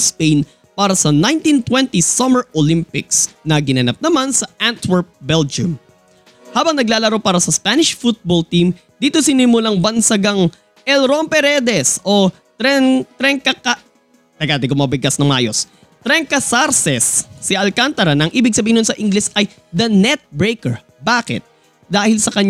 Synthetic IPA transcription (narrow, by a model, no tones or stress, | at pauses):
spejn | paːɾɐsɐnaj̃nt̪int̪wɛnt̪isɐmɛɹʔolimpɪksnɐɡɪnɐnap̚nɐmansɐʔant̪wɛɹp̚bɛld͡ʒʊm | haːbɐŋnɐɡ̚laːlɐɾo̞paːɾɐsɐspanɪʃfut̪̚bolt̪im | d̪iːt̪o̞sɪnimulaŋbɐnsɐɡaŋ | ʔɛlɾonpɛɾɛd̪ɛsʔo | t̪ɾɛnt̪ɾɛŋkɐkɐ | t̪ɐɡad̪ɪɡomɐbɪɡasnɐŋma̰ːjos | t̪ɾɛŋkɐsaɾsɛsːɪʔɐlkant̪ɐɾɐnɐʔɐŋʔiːbɪɡ̚sɐbiːɪnʊonsɐʔiŋɡlɪsʔɐj | d̪ɐnɛt̪̚bɹejkɛɹ | baːkɛ̰t̪̚ | d̪aːhɪlsɐkɐɲ